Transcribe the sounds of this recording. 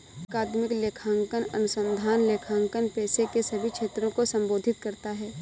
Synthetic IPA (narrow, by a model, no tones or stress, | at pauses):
kaːd̪mɪkleːkʰãːŋkənɐ̰nʊsə̃nd̪ʱaːnleːkʰãːŋkənpɛːsekesɐbʱikʰʃʰeːt̪ɾõkosɐ̃mboːd̪ʱɪt̪̚kɐɾt̪aɦɛː